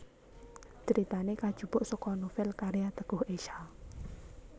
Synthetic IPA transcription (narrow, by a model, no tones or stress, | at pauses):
d͡ʒ̥əɾʔit̪anekad̥ʒ̥ṳb̥ʊʔsɔkɔnofɪlkaɾijat̪əɡ̥ʊheʃa